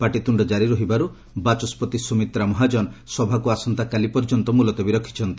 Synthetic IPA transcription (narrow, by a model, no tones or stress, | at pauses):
paʈit̪uɳɖɔd͡ʒaɾiɾɔɦibaɾu | bat͡ʃɔspɔt̪isumit̪ɾamɔɦad͡ʒɔnsɔbʱakuasɔnt̪akalipɔɾd͡ʒɔnt̪ɔmulɔt̪ɔbiɾɔkʰːi̥t͡ʃʰɔnt̪i̥